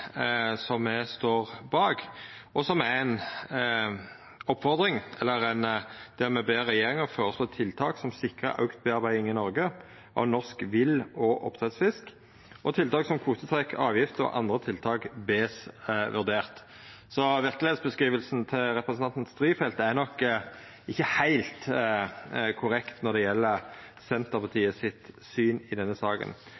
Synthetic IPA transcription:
sɔmːɛst̪oːʁbɑːɡɔsɔmææn | ɔpːfɔʁd̪ɾɪŋɛlːəɾænd̪̥ɛːʁmɛbeːʁɛjeːɾɪŋəʁføːʁəsloːt̪ʰɪlt̪ʰɑːksɔmsɪkʁə̰ʔɑ̰ʉkt̪̚beːɑʁbæɪɪŋɪnɔʁɡə | ʔɑ̰ʋnɔskʋɪlɔʔɔ̰pt̪ʰʁɛt̪sfɪsk | ʔɔt̪ʰɪlt̪ɑːksɔmkʰuːt̪ət̪ʰɾɛkʰːɑ̰ːʋjɪft̪əɔ̰ʔɑ̰nd̪ʁət̪ʰɪlt̪ʰɑːkbeːsʋʉʁd̪eːʁt̪ | sɔʋɪʁkəleːd̪sbəskʁiːʋəlsn̩t̪ʰɪlɾɛpɾɛsənɑnt̪n̩st̪ɾiːfɛlt̪æɾnɔkː | ɪçːəhæɪlt̪ | kʰʊɾɛkt̪nɔʁd̪ɛjɛlːə | sɛnt̪əpʰɑt̪ʰiːəsɪt̪syːnɪd̪ɛnːəsɑːkə̰n

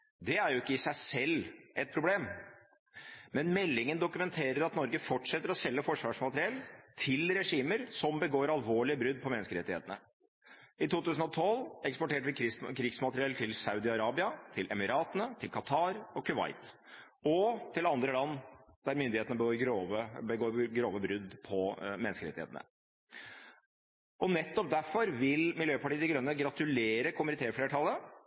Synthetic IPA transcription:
d̪ɛæɾjʊɪkːəɪsæɪsɛlːʔɛt̪̚pʰɾʊbleːm | mɛnmɛlːɪŋənd̪ʊkʉmɛnt̪ʰeːɾəɾɑt̪nɔɾɡəfɔʈʂɛt̪ːəɾɔsɛlːəfɔʂʋɑːʂmɑt̪ɾɪɛlt̪ʰɪlɾɛʂiːməɾsɔmbəɡoːɾɑlʋoːɭɪəbɾʉd̪̚pʰɔmɛnəskəɾɛt̪ːɪhḛːt̪ənə | ɪt̪uːt̪ʉːsən̩ɔt̪ʰɔlɛkspɔʈeːʈəʋɪkɪskʰɾiːɡsmɑt̪əɾɪɛlt̪ʰɪlsɑʉd̪ɪɑɾɑːbɪɑt̪ʰɪlʔɛmɪɾɑːt̪ənət̪ʰɪlkʰɑt̪ʰɑːɾɔkʰʉʋɑ̰ɪt̪ | ɔt̪ʰɪlɑnd̪ɾəlɑnːd̪̥æɾmʏnd̪ɪheːt̪ənəbəɡoːɾɡɾoːʋəbəɡoːɾɡɾoːʋəbɾʉd̪ːpʰɔmɛnskəɾɛt̪ɪhḛt̪nə̰ | ʔɔnɛt̪ːɔp̚d̪æfɔɾʋɪlmɪljøːpɑʈiːəd̪ɪɡɾœnːəɡɾɑt̪ʉleːɾəkʰʊmənɪt̪ʰeːɾfleːʈʰɑlːə

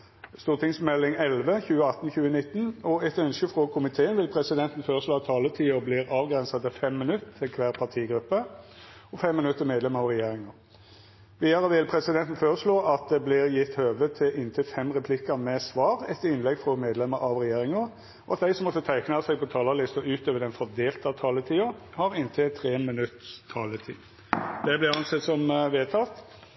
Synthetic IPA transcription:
st̪uːʁt̪ʰɪŋsmɛlːɪŋɛlʋəçʉːəɑt̪ːnçʉːənɪt̪ːənɔɛt̪œnskəfɾɔkʰʊmɪt̪ʰeːənʋɪlpʰɾɛsɪd̪ɛnt̪n̩føːɾəsloːɑt̪ʰːɑːlət̪ʰiːɔblɪːɾɑːʋɡɾɛnsɑt̪ɪfɛmːɪnʉt̪ʰːɪlkʰʋæːʁpʰɑt̪ʰiːɡɾʉpːə | ɔfɛmːɪnʉt̪ːəmeːd̪lɛməʁɑʋʁɛjeːɾɪŋəɾ | ʋiːd̪ɑɾəʋɪlpʰɾɛsɪd̪ɛnt̪n̩føːɾəsɭoːʔɑt̪̚d̪ɛblɪɾjɪt̪ːhøːʋət̪ʰɪʔɪnt̪ʰɪlfɛmʁɛpʰlɪkːəɾmɛsʋɑːɾɛt̪ɪnlɛɡfɾɔmeːd̪lɛməɾɑʋɾɛjeːɾɪŋəɾ | ɔɑt̪̚d̪æɪsɔmːɔt̪ːət̪ʰæɪknɑsɛɡ̚pʰɔt̪ʰɑːlɑlɪst̪ɔʉːt̪øːʋəɖ̪ɛnfɔd̪eːlt̪ɑt̪ʰɑːlət̪ʰiːʊhɑɾɪnt̪ʰɪt̪ʰɾeːmɪnʉt̪ːst̪ʰɑːlət̪ʰḭː | d̪̥ɛblɪɾɑnsɛt̪sɔmʋeːt̪ʰɑt̪

